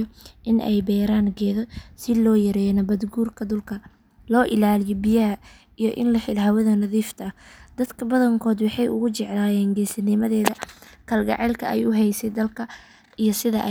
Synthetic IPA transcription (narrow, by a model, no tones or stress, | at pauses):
ʔɪnʔɛ̰jbɛːɾaːŋɡɛːðɔsɪlɔːjɐɾɛːjɐnɐbɐd̪ɡuːrkʰɐd̪ʊlkʰɐ | lɔːʔɪlaːlɪjɔbɪjɐɦɐ | ijɔʔɪ̰nlɐħɪlɦɐwɐðɐnɐðiːft̪ʰɐɐhd̪̥ɐd̪kʰɐbɐðɐŋkʰɔːd̪wɑħɑjʊ̰ɣʊt͡ʃɛʕlaːjɛːŋɡɛːsɐnɪmɐðɛːðɐkʰɐlɡɑ̰ʕɛlkʰɐɛjʊɦɛjsɛd̪ɐlkʰɐ | ijɔsɪðɐʔ